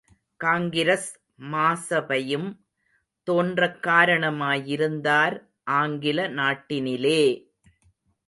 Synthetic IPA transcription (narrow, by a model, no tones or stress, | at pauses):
kaːŋɡɪɾɐs | maːsɐbɐjɯm | t̪oːndrɐkːaːɾɐɳɐmaːjɪɾɯnd̪aːɾ | ʔaːŋɡɪlɐnaːʈːɪnɪleː